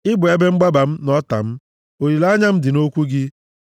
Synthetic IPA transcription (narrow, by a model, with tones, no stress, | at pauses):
ɪ˦bʊ˨e˦be˦ŋ͡m̩˦ɡ͡ba˦ba˨m̩˦nɔ˦ta̰˨m̩˦ | o˨i˨la˦ɲa˦m̩˦dɪ˨no˦kʷu˦ɡɪ˦